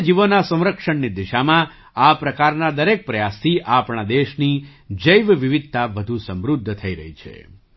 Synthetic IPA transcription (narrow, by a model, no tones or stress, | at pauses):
d͡ʒiʋənasə̃w̃ɾəkʃəɳnid̪iʃamã | apɾəkaɾnad̪əɾek̚pɾəjast̪ʰiʔapɳad̪eʃnid͡ʒəjʋʋiʋid̪̚ʱt̪aʋəd̪ʱusə̃mɾud̪ʱːt̪ʰəiɾə̰ɦit͡ʃʰḛ